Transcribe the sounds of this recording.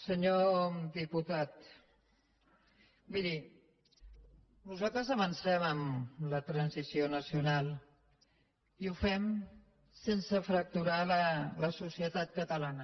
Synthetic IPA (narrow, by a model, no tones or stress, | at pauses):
səɲod̪iput̪at̪ | biði | nuzalˠt̪ɾəzəβənsɛməmlət̪ɾənsisjonəsjunalˠ | iufɛm | sensəfɾək̚t̪uɾalələsusiət̪at̪̚kət̪əlanə